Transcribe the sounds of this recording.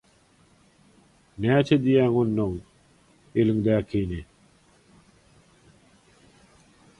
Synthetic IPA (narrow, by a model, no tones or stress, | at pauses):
naːt͡ɕʰed̪ijaːŋonːoŋ | ilŋd̪aːkʰiːne